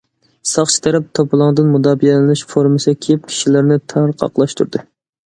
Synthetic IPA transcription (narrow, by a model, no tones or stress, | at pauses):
sɑχt͡ʃʰi̥t̪ʰɛɾɛp̚t̪ʰopʰɨlˠɑŋd̪ɨnmud̪ɑːbijɛlɪnɨʃfoɾmɨskʲʰejp̚kʲʰi̥ʃilæɾnɪt̪ʰæɾqʰɑ̰qlˠɑʃt̪ʰuɾd̪ɨ